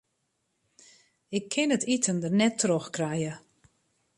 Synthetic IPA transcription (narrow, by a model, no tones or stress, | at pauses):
ɪkʰːɪnətitʰəndənɛtʰːroxkrɛjə